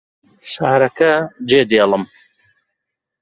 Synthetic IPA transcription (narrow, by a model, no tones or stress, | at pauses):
ʃaːɾɐkɐd͡ʒeːd̪eːlˠɨm